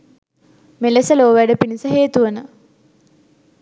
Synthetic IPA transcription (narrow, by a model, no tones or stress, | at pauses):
melesəloːʋæɖəpinisəɦeːt̪uʋənə